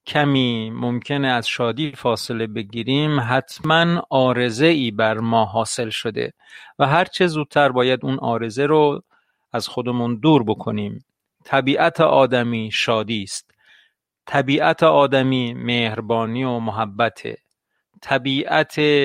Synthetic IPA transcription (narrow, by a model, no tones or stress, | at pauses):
cʰæmiːmomcʰe̞neæz̥ʃɒːd̪iːfɒːse̞le̞be̞ɡiːɾiːmɦæt̪ʰmænɒːɾe̞ze̞iːbæɾmɒːɦɒːse̞lʃod̪ḛ | væɦæɾt͡ʃʰezuːd̪̥̚t̪ʰæɾbɒːjæd̪unʔɒːɾe̞zeɾo | æz̥xo̞d̪emund̪uːɾbo̞kʰo̞niːm | t̪ʰæbiːʔæt̪ʰeʔɒːd̪æmiːʃɒːd̪iːst̪ | t̪ʰæbiːʔæt̪ʰeʔɒːd̪æmiːmeːhɾbɒːniːomoɦæbːæt̪ʰḛ | t̪ʰæbiːʔæt̪ʰe